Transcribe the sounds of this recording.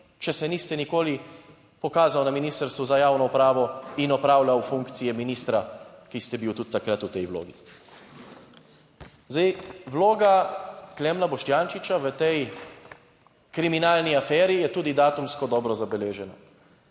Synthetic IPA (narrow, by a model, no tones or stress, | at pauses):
t͡ʃɛsɛnist̪ɛnikoːli | pɔkaːzawnaminiːst̪əɾst̪ʋuzajaːwnɔupɾaːʋɔinɔpɾaːwlawfuŋkt̪sijɛminiːst̪ɾakist̪ɛbiwt̪ut̪ːakɾat̪ut̪ɛjwlo̰ːɡḭ | zd̪ɛjwloːɡaklɛmnabɔʃt̪jaːnʃit͡ʃaʋət̪ɛj | kɾiminaːlniafɛːɾijɛt̪uːd̪id̪aːt̪umskɔd̪ɔːbɾɔzabɛleːʒɛnɔ